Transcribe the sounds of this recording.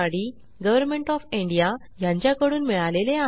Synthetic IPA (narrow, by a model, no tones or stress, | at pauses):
aɽi | ɡəʋəɾmeɳʈɔfiɳɖija | jãɲt͡ɕjakəɽuːnmiɭalelea